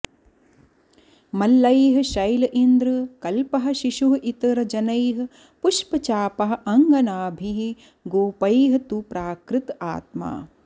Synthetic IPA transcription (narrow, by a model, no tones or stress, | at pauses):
mɐlːɐjɦɐʃɐjlɐʔind̪ɾɨkɐlpɐɦɐ̆ʃiʃuɦɐʔit̪ɐɾɐd͡ʒɐnɐjɦɨ̆ | puʃpɐt͡ʃaːpɐɦɐ̆ʔɐŋɡɐnaːbʱiɦi | ɡoːpɐjɦɐ̆t̪upɾaːkɾɪt̪a̰ːt̪̚ma̰ː